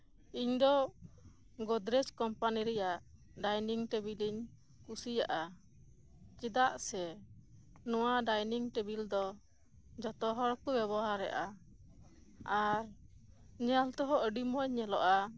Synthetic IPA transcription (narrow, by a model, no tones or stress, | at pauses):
iɲd̪ɔ | ɡɔd̪ɾɛt͡ʃkɔmpaniɾɛjaʔ | ɖajniŋʈɛbiliɲ | kusijaʔa | kid̪aʔsɛ | nɔwaɖajniŋʈebild̪ɔ | d͡ʒɔt̪ɔɦɔɾkubɛβɔɦaɾːɛ̰ʔa | aɾ | ɲɛalt̪ɔɦɔʔəɖimɔɲːɛlɔʔa